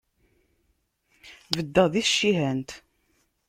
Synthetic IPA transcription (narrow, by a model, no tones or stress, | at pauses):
vəd̪ːəðiθʃːiɦænt̪